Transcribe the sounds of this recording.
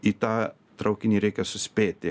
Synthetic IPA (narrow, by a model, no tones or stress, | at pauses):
it̪aː | t̪ɾɐʊkʲɪnʲiɾʲɛɪkʲɛsʊsʲpʲeːt̪ʲɪ